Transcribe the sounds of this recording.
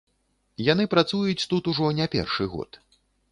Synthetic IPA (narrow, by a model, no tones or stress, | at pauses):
jan̪ɨpɾat̪sujut͡sʲt̪ut̪uʐɔnʲɛpʲɛ̰rʂɨɣɔ̰t̪